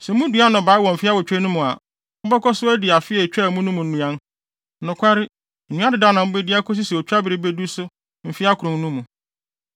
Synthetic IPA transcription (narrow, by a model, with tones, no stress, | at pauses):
sɛ˨mũ˦du˨˦a˦nʊ̃˨baː˨˦ɪ˦wɔ̃˨m̩˨fɪ˦a˦wɔ˨t͡ɕᶣɾɛ˦nũ˦mũ˨a̰˨ | m̩˦bɔ˦kɔ˦sʊ˦æ˦dɪ˨a˨fɪ˦ɛ˨t͡ɕᶣɛ˦˨mũ˦nũ˦mũ˨n̩˦nũ˨˦ã˦n˦ | nʊ̃˨kʰʷa˦ɾɪ˦˨ | nũ˦a˦dɪ˨da˦nã˨m̩˦be˦dɪ˦a˦kʰɔ˦s̬ɪ˦sɛ˨o˨t͡ɕᶣa˦bɪ˨ɾɪ˦be˦du˦sʊ˦ | m̩˨fɪ˦a˦kʰʊ˨ɾʊ̃˨ŋ˦nũ˦mũ˨